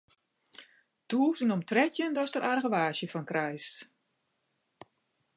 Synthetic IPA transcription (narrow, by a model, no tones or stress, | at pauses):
tuəsənɔmtrɛtjəndɔstəɾʔarɣəʋaːʃjəfɔnkrɛjst